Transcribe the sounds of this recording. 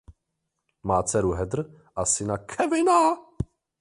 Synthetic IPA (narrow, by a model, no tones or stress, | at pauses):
maːt͡sɛɾuɦɛd̪r̩ | ʔasɪnakʰɛvɪna